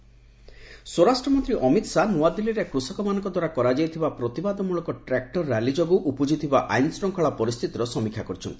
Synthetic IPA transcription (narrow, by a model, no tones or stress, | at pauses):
swoɾasʈɾɔmɔnt̪ɾiʔɔmit̪sanuad̪iliɾekɾusɔkɔmanɔŋkɔd̪waɾakɔɾad͡ʒajt̪ʰibapɾɔt̪ibad̪ɔmuɭɔkɔʈɾɛk̚ʈɔɾːalid͡ʒɔɡuʔupud͡ʒit̪ʰibaʔa̰jnsʈɾɔŋkʰɔɭapɔɾist̪ʰit̪iɾɔsɔmikʰjakɔɾit͡ʃʰɔ̰nt̪i̥